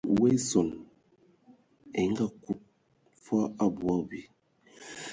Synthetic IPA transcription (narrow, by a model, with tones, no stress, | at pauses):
we˦sɔ˨n | ɛ˨ŋ˦ɡa˦˨ku˦t̚ | fa˦a˦bwa˦bi˨